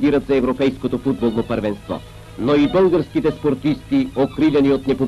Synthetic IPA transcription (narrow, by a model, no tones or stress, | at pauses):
ɡ̪iɾɐt̪zɐɛvɾopɛjskot̪ofud̪̚bolˠnopɐɾvɛnst̪vɔ̰ | noibɤlˠɡəɾskit̪ɛspoɾt̪ist̪iokɾilʲɛniot̪nɛpo